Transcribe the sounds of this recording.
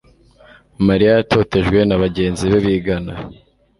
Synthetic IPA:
maɾijajatʰo̞ːte̞ʒɡwe̞naβaɟe̞ːnziβeβiɡana

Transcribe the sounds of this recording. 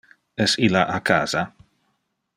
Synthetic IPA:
ɛsilaʔakʰa̰ːza

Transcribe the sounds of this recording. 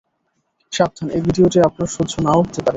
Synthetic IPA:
ʃab̚t̪ʰanebʱiɖioʈiapnaɾʃodd͡ʑʰʱonaoɦot̪epaɾe

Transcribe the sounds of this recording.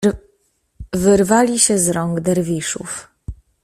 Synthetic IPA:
vɘɾvalʲiɕɛzɾɔŋɡd̪ɛɾvʲiʂṵf

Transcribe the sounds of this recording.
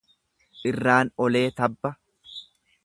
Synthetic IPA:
ʔɪrːaːnɔle̞ːt̪ɐbːɐ

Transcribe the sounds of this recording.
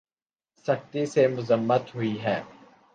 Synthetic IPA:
sɐkt̪isemʊzəmːət̪ɦʊiɦɛː

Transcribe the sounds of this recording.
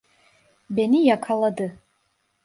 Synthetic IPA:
benijakʰalˠad̪ɯ

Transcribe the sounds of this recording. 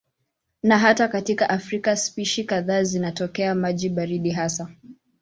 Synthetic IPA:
naɦatakatikaʔafɾikaspiʃikaðaːzinatɔkɛamaʄiɓaɾiɗiɦasa

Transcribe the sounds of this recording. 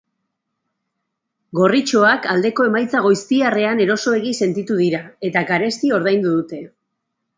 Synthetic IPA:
ɡo̞rit͡ʃo̞akald̪e̞ko̞e̞majt͡saɣ̞o̞jst̪iare̞ane̞ɾo̞so̞e̞ɣ̞ise̞nt̪it̪uðiɾae̞t̪aɡaɾe̞st̪io̞ɾðajnd̪uðut̪e̞

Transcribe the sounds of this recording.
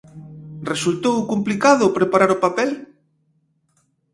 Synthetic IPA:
result̪owkomplikaðʊpɾepaɾaɾʊpapɛl

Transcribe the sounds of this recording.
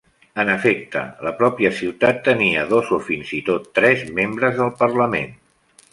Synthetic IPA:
ənəfek̚t̪ə̰ləpɾɔpiəsiwt̪at̪ːəniəðozofinzit̪ot̪ːɾɛzmembɾəzðəlˠpərləmḛn

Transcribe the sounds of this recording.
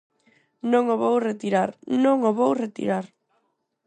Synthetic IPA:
nõŋoβowret̪iɾaɾnõŋoβowret̪ḭɾaɾ

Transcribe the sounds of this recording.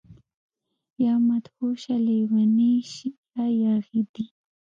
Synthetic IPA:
jamat̪huʃalewaniʃɪ | ajaɣɪd̪i

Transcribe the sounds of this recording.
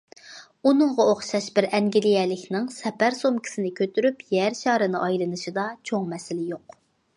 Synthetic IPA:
unɨŋʁɑoχʃɑʃbɪɾɛŋɡʲilijɛlɪkʲnɪŋsɛpæɾsomkʲʰi̥sɪnɪkʲʰøt̪yɾypjæɾʃɑːɾɨnɨʔɑjlˠɨnɨʃid̪ɑt͡ʃʰoŋmɛsɪlɪjoq

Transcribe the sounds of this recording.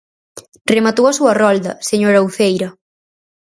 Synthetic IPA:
remat̪owɐsuɐrɔld̪ɐ̰seɲoɾawθejɾɐ

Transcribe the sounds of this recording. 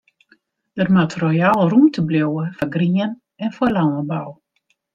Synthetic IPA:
d̥ərmatrojalˠrumtʰəbljowəfaɡriən | ɛnfolawəbaw

